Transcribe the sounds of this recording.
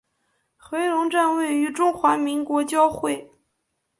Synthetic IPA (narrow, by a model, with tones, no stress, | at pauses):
xwe˧˥ɪɻʊ˧˥ŋʈ͡ʂa˥˧nwe˥˩ɪy˧˥ʈ͡ʂʊ˥ŋxwa˧˥mi˧˥ŋkwɔ˧˥t͡ɕjɑ˥ʊxwe˥˩ɪ